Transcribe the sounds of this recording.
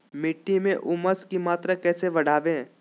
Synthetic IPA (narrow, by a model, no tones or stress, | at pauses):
mɪʈːimẽʔʊməskimaːt̪ɾakɛːseʋɐɽ̤aːʋẽ